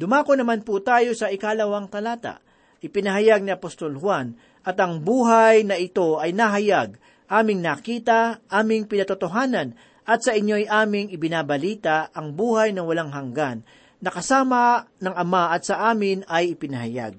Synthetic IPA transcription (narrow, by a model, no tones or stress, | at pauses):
d̪ʊmaːkonɐmanput̪aːjo̞sɐʔɪkaːlɐwɐŋt̪ɐlaːt̪a̰ | ʔɪpɪnɐɦɐjaɡ̚nɪɐpost̪o̞lhwan | ʔɐt̪ɐŋbuːɦajnɐʔɪt̪o̞ɐjnaɦɐjaɡ̚ | ʔaːmɪŋnakiːt̪ɐʔaːmɪŋpɪnɐt̪ʊt̪o̞ɦaːnɐn | ʔɐt̪̚sɐʔɪɲːo̞jʔaːmɪŋɪbɪnaːbɐliːt̪aʔɐŋbuːhɐjnɐwɐlaŋɦɐŋɡanː | ɐkɐsaːmɐnɐŋɐmaʔɐt̪̚sɐʔaːmɪnɐjɪpɪnɐɦɐja̰ɡ̚